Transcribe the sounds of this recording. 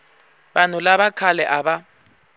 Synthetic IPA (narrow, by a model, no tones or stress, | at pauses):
banulaɓakʰalɛʔaɓa